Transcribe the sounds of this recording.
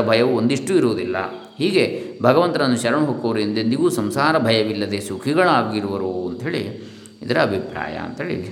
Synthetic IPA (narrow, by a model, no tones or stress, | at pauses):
ɐbʱɐjɐʋuond̪iʂʈuiɾuːd̪ilːɐ̰ | hiːɡe̞bʱɐɡɐʋɐnt̪ɐɐnːuʃɐɾɐmɐɦoːkːoʋɐɾind̪eniːʋusɐmsaːɾɐbʱɐjɐʋilːɐd̪esukʰiɡɐɭaːɡiɾuʋɐɾuɐnt̪ɐɦe̞ːɭḭ | id̪ɐɾɐɐbʱipɾa̰ːjɐ̰ɐ̰nt̪ɦeːɭḭ